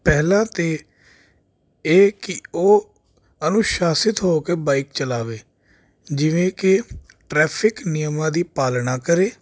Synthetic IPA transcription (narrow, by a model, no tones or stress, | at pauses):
pɛːlãːt̪eː | eːkɪoː | ənũːʃaːsɪt̪ɦoːkeːbaːɪk̚t͡ʃəlaːʋeː | d͡ʒɪʋẽːkɪ | ʈɾɛːpʰɪknɪjəmãːd̪iːpaːlnaːkəɾeː